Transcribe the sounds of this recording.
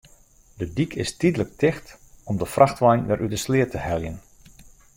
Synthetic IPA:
dədikʰɪstidələk̚tɪxtɔmdəfrʔaxtʋɛjnʋɛrʔydəslɪətəhɛljən

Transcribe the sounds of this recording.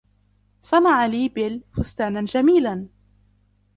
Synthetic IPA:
sˤɑnɑʕaliːbɪlfʊst̪aːnand͡ʒamiːlan

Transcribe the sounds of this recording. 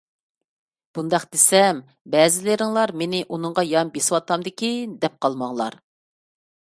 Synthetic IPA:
b̥und̪ɑqd̪̥esɛm | bɛzɪlɪɾɪŋlˠɑɾmenɪʔunɨŋʁɑjɑmbesɪwɑt̪ɑmd̪ɪkʲid̪ɛp̚qɑlˠmɑŋlˠɑ̰ɾ

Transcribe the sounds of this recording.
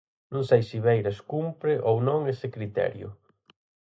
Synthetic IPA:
nũŋsejsiβejɾaskumpɾɪʔownõŋesɪkɾit̪ɛ̰ɾjʊ̰

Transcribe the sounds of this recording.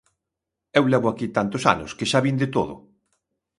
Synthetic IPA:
ewlɛβoakit̪ant̪osa̰nʊ̰skeʃaβind̪et̪o̰ðʊ̰

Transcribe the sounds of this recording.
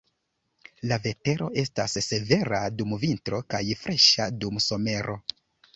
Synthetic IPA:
lave̞te̞ɾo̞ʔe̞stasːe̞ve̞ɾadumvintɾo̞kajfɾʔeʃadumso̞me̞ɾʔo̞

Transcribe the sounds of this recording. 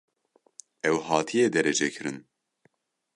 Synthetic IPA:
ɛwhɑːt̪ʰijeːd̪ɛɾɛd͡ʒɛkʰɨɾɨn

